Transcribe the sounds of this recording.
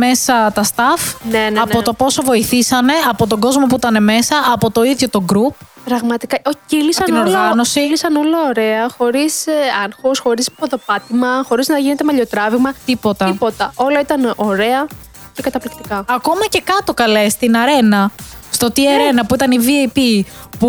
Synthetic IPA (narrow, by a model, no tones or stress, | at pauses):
me̞sɐt̪ɐst̪ɐfnenɐpot̪o̞po̞so̞vo̞iθisɐne̞ɐpo̞t̪o̞ɡo̞zmopuit̪ɐne̞me̞sɐːpo̞t̪o̞iðʝo̞t̪o̞ɡɾup | pɾɐɣmɐt̪ikɐʔoilisɐɐninoɾlɣɐno̞silisɐno̞lɐoɾe̞ɐxo̞ɾisɐnxosxo̞ɾispoðo̞pɐt̪imɐxo̞ɾiznɐʝine̞t̪emɐʎo̞t̪ɾɐviɣmɐt̪ipo̞t̪ɐipot̪ɐo̞lɐit̪ɐno̞ɾe̞ɐ | ce̞kɐt̪ɐplikt̪i̥kɐɐko̞mɐce̞kɐt̪o̞kɐle̞st̪inɐɾe̞nɐst̪o̞t̪iɐɾe̞nɐpuit̪ɐniviɐjpipu